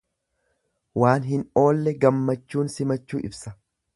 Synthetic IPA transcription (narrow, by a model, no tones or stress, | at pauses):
waːnɦɪno̞ːlːɛɡɐmːɐt͡ʃːuːnsɪmɐt͡ʃːṵːʔɪbsɐ̥